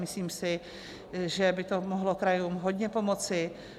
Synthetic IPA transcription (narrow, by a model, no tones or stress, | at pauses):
mɪsliːmsɪ | ʒɛbɪt̪omoɦlokɾajuːmɦod̪ɲɛpo̞mot͡sɪ